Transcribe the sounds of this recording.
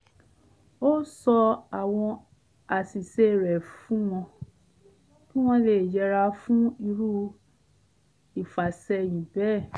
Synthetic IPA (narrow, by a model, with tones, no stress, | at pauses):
o˦sɔ˧a˨w̃ɔ̃˧ | a˨si˨se˧˦˨ɾɛ˨fũ˦w̃ɔ̃˧ | tũ˦w̃ɔ̃˧le˨d͡ʒɛ˨˧˦ɾa˧fũ˦i˧ɾu˦ | i˨fa˨sɛ˧jĩ˨bɛ˦˨